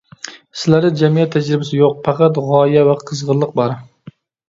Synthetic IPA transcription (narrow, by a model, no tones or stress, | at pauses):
sɪlaɾnɪd͡ʒamijat̪ʰːad͡ʒɾɪbasɪjoq̚pʰaqat̪ʁɑjavaqʰɨzʁɨɾlˠɨq̚bɑɾ